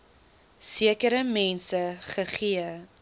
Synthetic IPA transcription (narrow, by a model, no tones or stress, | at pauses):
siəkəɾəmɛnsəχəχiə